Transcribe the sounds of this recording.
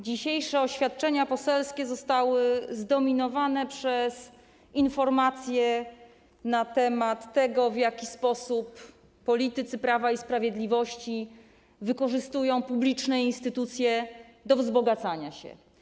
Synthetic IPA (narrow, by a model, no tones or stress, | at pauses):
d͡ʑiɕejʂɛɔɕfʲjat̪̚t͡ʂɛɲapɔsɛlskʲɛzɔst̪awɘzd̪ɔmʲinɔvanɛpʂɛs | infɔɾmat̪sʲjɛ | nat̪ɛmat̪ːɛɡɔvjakʲispɔsupː | ɔlʲit̪ɘt̪sɘpɾavaispɾavʲjɛd̪lʲivɔɕt͡ɕi | vɘkɔʐɘst̪ujɔ̃w̃publʲit͡ʂnɛinst̪ɘt̪ut̪sʲjɛd̪ɔvzbɔɡat̪saɲaɕɛ̰